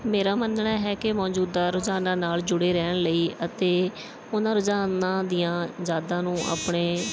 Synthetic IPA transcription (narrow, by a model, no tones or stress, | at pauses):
meːɾaːmənɳaːɦɛːkɪmɔːd͡ʒuːd̪aːɾʊd͡ʒaːnãːnaːld͡ʒʊɽeːɾɛːɳləiːʔət̪eː | ʊnãːɾʊd͡ʒaːnãːd̪ɪjãːzaːd̪ãːnũːʔa̰ːpɳeː